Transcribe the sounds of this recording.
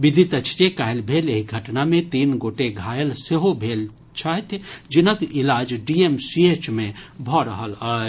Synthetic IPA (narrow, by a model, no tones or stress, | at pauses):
ʋid̪ʱit̪ət͡ʃʰt͡ʃekajlbʱeleɦiɡʱəʈnamẽt̪inɡoʈeɡʱajəlseɦobʱel | t͡ʃʰaɦt̪ʰd͡ʒinəkilad͡ʒɖiemsiet͡ʃmebʱɔɾəɦəla